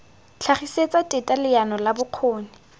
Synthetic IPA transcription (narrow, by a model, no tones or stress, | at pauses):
t͡ɬʰaχiset͡sʼatʼɪtʼalɪjanɔlabʊq͡χʰoːnɪ